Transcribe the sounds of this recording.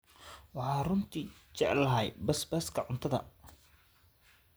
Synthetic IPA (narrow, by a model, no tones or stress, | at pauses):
wɑħɑːrʊnt̪ʰiːt͡ʃɛʕlɐɦɛjbɐsbɐskʰɐʕʊnt̪ʰɐðɐ̰